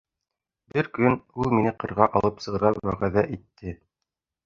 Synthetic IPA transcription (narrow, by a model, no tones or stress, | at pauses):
bɘɾkɵnulˠminɘqɤ̆ɾʁɑʔɑlˠɤpsɤ̆ʁɤ̆ɾɑwæʁæðæʔit̪ːɘ